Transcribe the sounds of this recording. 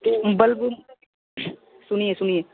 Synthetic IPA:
bɐlbu | sʊniesʊnie

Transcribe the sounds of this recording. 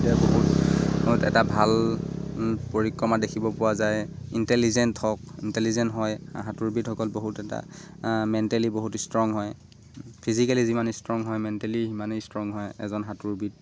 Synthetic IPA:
tiaboɦutotɛ̰tabʱal | poɹikːɹɔmadekʰibɔpʊwazajintɛlizɛnthɔk̚intɛlizɛntɦɔjɦatuɹbithɔkɔlboɦutɛta̰ | mɛntɛliboɦutstɹɔŋɦɔj | pʰizikalizimanistɹɔŋɦɔjmɛntɛliimanostɹɔŋɦɔjɛ̰zɔnɦatuɹbit̚

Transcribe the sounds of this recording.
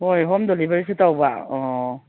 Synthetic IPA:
hojɦɔmdɔlibeɾis̬ɯtawba̰ɔ

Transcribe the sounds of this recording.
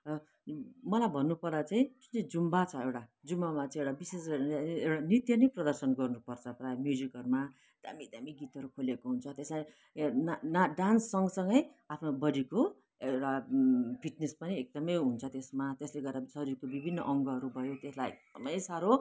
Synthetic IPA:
mʌlajbʱʌnːupʌrd̪at͡saĩd͡zuid͡zumbat͡sʰʌewʈad͡zumːamat͡sãĩewʈabisesʌewʈanit̪jʌnʌjprʌd̪ʌrsʌnɡʌrnupʌrt͡sʰʌprajmjud͡zikɦʌɾuma | d̪̥a̰mid̪amiɡit̪ɦʌɾukʰolekoɦunt͡sʰʌt̪esma | nnaɖansːʌŋɡʌsʌŋɡʌjapʰnobʌɽiko | ewʈapʰiʈnespʌniek̚d̪ʌmʌjɦunt͡sʰʌt̪esmat̪esleɡʌrɾasʌɾiɾkobibʱinːʌ̰ʔʌŋɡʌɦʌɾubʱʌjot̪eslajḛk̚d̪̥ʌmʌjsaɾo

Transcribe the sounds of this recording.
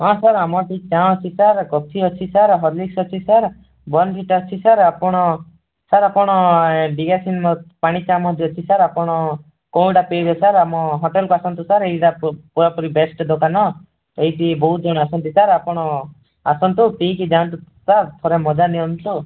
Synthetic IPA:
ɦɔ̃saɾamɔʈit͡ʃaw̃t͡ʃʰisaɾkɔt̪ʰiɔt͡ʃʰisaɾɦɔɾliksɔt͡ʃʰisaɾ | bɔnpʰiʈɔt͡ʃʰisaɾapɔɽ̃ɔ | saɾapɔɽ̃ɔɖiɡasinmɔpaɽ̃it͡ʃamɔɦɔt͡ʃ̪ʰiɔt͡ʃʰisaɾapɔɽ̃ɔ | kɔ̃w̃ʈapebesaɾamɔɦɔʈelkuasɔnt̪usaɾeiʈapuɾapɔɾibesʈd̪okanɔ | eɦiʈibɔɦud͡ʒɔɽ̃ɔasɔnt̪isaɾapɔɽ̃ɔ | asɔnt̪upiikid͡ʒãnt̪u | saɾt̪ʰɔɾemɔd͡ʒaniɔnt̪u

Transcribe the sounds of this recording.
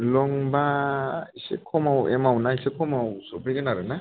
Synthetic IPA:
lɔŋbaisḛkʰɔmawɛ̰mawnaisekʰɔmawsɔpʰeɡɯnaɾɯna

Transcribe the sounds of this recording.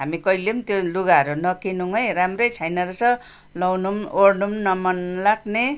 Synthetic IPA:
ɦamikʌjlemt̪joluɡaʌɾunʌkinuŋʌjɾamrʌjt͡sʰajnʌɾusʌ | lʌwnumoɽnumnʌmʌnlaɡne

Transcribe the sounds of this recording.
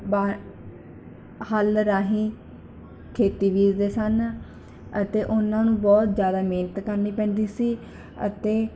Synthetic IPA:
baː | həlɾaːɦĩː | kʰeːt̪iːbiːzd̪eːsən | ət̪eːʔʊnãːnũːbɔːt̪zjaːd̪aːmeːnət̪kəɾniːpɛ̃ːnd̪iːsiː | ə̰t̪eː

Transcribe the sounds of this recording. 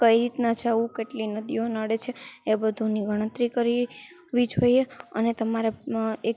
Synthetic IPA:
kəiɾit̪nad͡ʒaʋũkeʈlinəd̪ionəɽet͡ʃʰeːbəd̪ʱuniɡʱəɽ̃ə̃t̪ɾikəɾi | ʋid͡ʒʱɦojeə̰net̪əmaɾee

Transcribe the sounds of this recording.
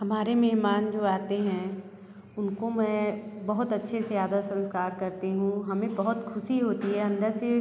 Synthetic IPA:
hɐmaːɾemeɦmaːnd͡ʒoːaːt̪eɦɛ̃ | ʊnkomɛ̃bɐɦʊt̪ɐtːʃʰesejaːd̪asɐ̃nskaːɾkɐɾt̪eɦũɦɐmẽbɐɦʊt̪kʰʊʃiɦoːt̪iɦɛɐ̃nd̪əɾse

